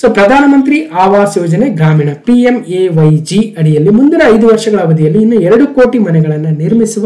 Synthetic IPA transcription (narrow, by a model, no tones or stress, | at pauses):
soːpɾɐd̪ʱaːnɐmɐnt̪ɾiʔʔaːʋaːsjoːd͡ʒɐneɡɾaːmiːɳɐpiemeʋɐjd͡ʒiɐɽijɐlːimund̪iɾɐːjd̪uʋɐɾʂɐɡɐɭaːʋɐd̪ijɐlːiːnːuɛɾɐɽukoːʈimɐnɛɡɐɭɐnːɐniɾmisuʋɐ